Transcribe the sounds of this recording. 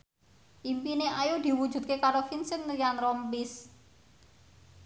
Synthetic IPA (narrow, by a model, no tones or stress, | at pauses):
ʔimpineʔajud̪̥i̤wu̥ʒ̥ṳt̪̚kekaɾofinsənijanɾɔmbis